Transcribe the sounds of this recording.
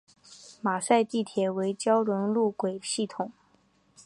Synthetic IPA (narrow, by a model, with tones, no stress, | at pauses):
ma˨˩sa˥˧ɪt̪i˥˩t̪ʰjɛ˨˩we˧˥ɪt͡ɕjɑ˥ʊɻwə˧˥nlu˥˩kwe˨˩ɪɕi˥˩t̪ʰʊ˨˩˦ŋ